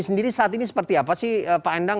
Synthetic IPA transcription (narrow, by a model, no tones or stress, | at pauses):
səndiɾisaat̪inisə̥pərt̪iapasɪhəpaɛndaŋ